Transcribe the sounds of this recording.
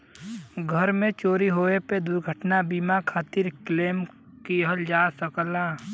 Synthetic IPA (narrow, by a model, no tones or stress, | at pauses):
ɡʱəɾmẽt͡ʃoːɾiɦoːeped̪ʊɾɡʱəʈnabiːmakʰaːt̪ɪɾkleːm | kiɦəld͡ʒaːsəklaː